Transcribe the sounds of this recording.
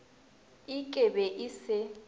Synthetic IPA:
ikʼɛbɛʔisɪ

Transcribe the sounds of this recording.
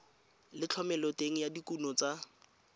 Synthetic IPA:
lɪt͡ɬʰɔmɛlɔteŋ̩jadikunɔt͡sa

